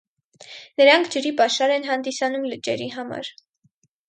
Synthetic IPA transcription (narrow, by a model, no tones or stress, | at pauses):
nəɾɑŋkʰd͡ʒəɾipɑʃɑɾɛnɦɑnd̪isɑnumlət͡ʃɛɾiɦɑmɑ̰ɾ